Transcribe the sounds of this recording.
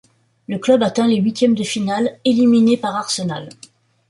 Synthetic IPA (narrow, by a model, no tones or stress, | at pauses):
ləklœbat̪ɛ̃leɥit̪jɛmd̪əfinaleliminepaʁaʁsəna̰l